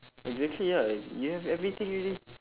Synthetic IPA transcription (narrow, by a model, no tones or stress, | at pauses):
ʔɛɡzæk̚tʰlijajɨævɛvɹit̪ɪ̃ŋɹɛli